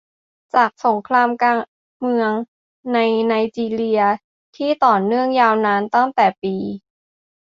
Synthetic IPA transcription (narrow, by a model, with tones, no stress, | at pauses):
t͡ɕaː˨˩k̚so˩˦ŋkʰɾaː˧mkaː˧ | mɯ˧əŋ | na˧jnaː˧jt͡ɕiː˧li˧ɐ | t̪ʰiː˥˩t̪ɔː˨˩nːɯ˥˩əŋjaː˧wnaː˧nt̪a˥˩ŋt̪ɛː˨˩piː˧